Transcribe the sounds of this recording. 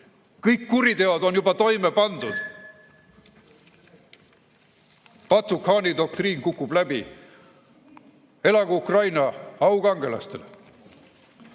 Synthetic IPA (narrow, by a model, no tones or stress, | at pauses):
kɤjkːuɾit̪e̞od̪o̞njubɑt̪o̞jme̞pɑnd̪ud̪̥ | pɑt̪sukhɑːnid̪o̞k̚t̪riːnkukːˑub̥læbḭ | e̞lɑɡ̥uukrɑjnɑɑwɡ̥ɑŋɡe̞lɑ̰st̪e̞̰l